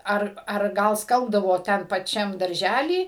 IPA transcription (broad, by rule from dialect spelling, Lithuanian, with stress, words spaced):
ˈɐr ɐr ˈɡɐlˠ ˈskɐlˠbdɐʋoː ˈtʲɛn pɐˈt͡ʃʲɛm dɐrʲˈʒʲælʲiː